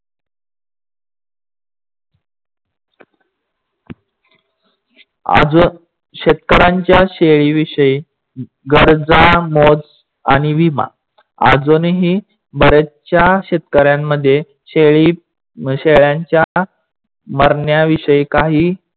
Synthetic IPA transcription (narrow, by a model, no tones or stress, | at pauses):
a̰d͡z | ɕet̪̚kəɾaɲt͡ɕjaɕeɭiʋiʂəi | ɡəɾd͡zamod͡z | a̰ɽ̃iʋima̰ | a̰d͡zonɦiː | bəɾət͡s̚t͡ɕjaɕet̪̚kəɾjamːəd̪ʱːje | ɕeɭi | ɕeɭjaɲt͡ɕja | məɾɳjaʋiʂəikaɦiː